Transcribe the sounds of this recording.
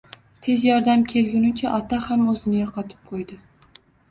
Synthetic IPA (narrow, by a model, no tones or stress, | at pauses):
t̪ʰe̞zjɒɾd̪amkʲʰe̞lɡʲɪnʊt͡ʃʰaʔɒt̪ʰahamɵzɪnɪɡʲaqʰɒt̪ʰɪ̥p̚qʰojd̪ɪ